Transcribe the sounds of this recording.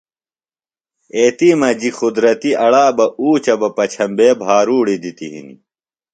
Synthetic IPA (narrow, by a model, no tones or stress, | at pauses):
eːt̪iːmɐd͡ʑixud̪ɾɐt̪iʔɐɽaːbɐʔuːt͡ɕɐbɐpɐt͡ɕʰɐmbeːbʱɦaːɾuːɽid̪it̪iɦḭnḭ